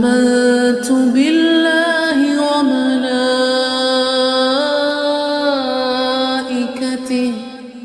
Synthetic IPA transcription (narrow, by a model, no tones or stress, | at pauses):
maðt̪ʊbɪlːaː | ɦɪwamala | ʔɪkat̪ɪh